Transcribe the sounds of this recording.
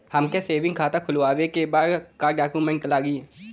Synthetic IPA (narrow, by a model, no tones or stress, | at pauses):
həmkeseːʋɪ̃ŋɡkʰaːt̪ãkʰʊlʋaːʋekebaːd̪kaːɖaːkjumẽɳʈ̚kɐlaːɡiː